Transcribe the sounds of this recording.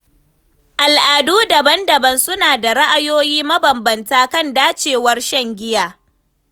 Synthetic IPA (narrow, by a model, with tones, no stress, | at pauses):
ʔa˨lʔaː˨duː˦dɐ˨bɐ˦ndɐ˨bɐ˦nsʊ˦naː˨da˨ɽa˦ʔa˦˨joː˦jiː˦mɐ˦bɐ˨mbɐ˨ntaː˦kɐ˦˨ndaː˦t͡ʃeː˨wɐ˦rʃɐ˦˨ŋɡʲɪ˦jaː˨